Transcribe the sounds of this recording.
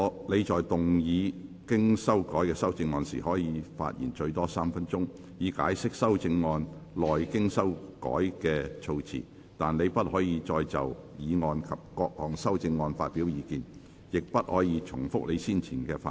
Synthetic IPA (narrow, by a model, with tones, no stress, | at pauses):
le˨˧jt͡ʃɔː˨jt̪ʊ˨ŋjiː˨˧ | kɪ˥ŋsɐ˥wkɔː˨˥jkɛː˧sɐ˥wt͡sɪ˧ŋːɔː˧nsḭː˨˩hɔː˨˥jiː˨˧fa̰ː˧t̚jḭ˨˩nt͡ʃɵ˧ɥt̪ɔː˥saː˥mfɐ˥nt͡ʃʊ˥ŋ | jiː˨˧ka̰ː˨˥jsɪ˥k̚sɐ˥wt͡sɪ˧ŋːɔː˧nlɔː˨jkɪ˥ŋsɐ˥wkɔ̰ː˨˥jkɛː˧t͡ʃʰo˧wt͡sʰḭː˨˩ | t̪aː˨˩nle˨˧jpɐ˥t̚hɔː˨˥jiː˨˧t͡ʃɔː˧jt͡sɐ̰˨wjiː˨˧ŋɔː˧nkʰɐ˨p̚kɔː˧k̚lɔː˨˩ŋsɐ˥wt͡sɪ˧ŋːɔː˧nfa̰ː˧t̚pi˨˥wjiː˨˧kiː˨n | jɪ˨k̚pɐ˥t̚hɔː˨˥jiː˨˧t͡ʃʰʊ˨˩ŋfʊ˥k̚le˨˧jsiː˥nt͡sʰiː˨˩nkɛː˧fa˧